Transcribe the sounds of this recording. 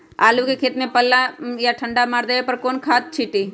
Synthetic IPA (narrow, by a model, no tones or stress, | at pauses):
a̰ːlukekʰeːt̪mẽpəlːajaʈʰə̃ɳɖamaːɾd̪əepəɾkoːnkʰaːt̪̚t͡ʃʰiʈi